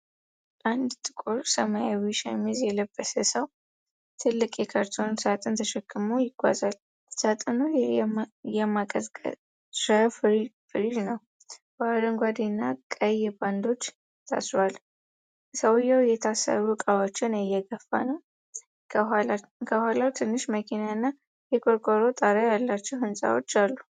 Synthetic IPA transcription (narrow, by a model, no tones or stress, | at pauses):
and̪t̪ʼɨkʼuɾsəmajawiʃɛ̰mizjɛləbːəsəsəw | t̪ʰɨlːɨkʼjɛkʰaɾt̪ʰonsat̪ʼɨnt̪ʰəʃɛkːɨmujɪɡ̥ʷa̰zal | sat̪ʼɨnu | jɛmakʼəz̰ʼ | ʃəffɾidnəw | b̥ad̪əŋɡʷad̪inːakʼəjɛband̪o̞t͡ʃː | t̪ʰa̰sɾwal | səwjawjɛt̪ʰasə̰ɾukʼawat͡ʃːɪnɛjɛɡəfːa̰nəw | kʰəhalawt̪ʰɨnːɨʃməkʰinaɨnːa | jɛkʼoɾkʼoɾot̪ʼaɾajalːat͡ʃːɛwhɨnsʼa̰wo̰t͡ʃːalːu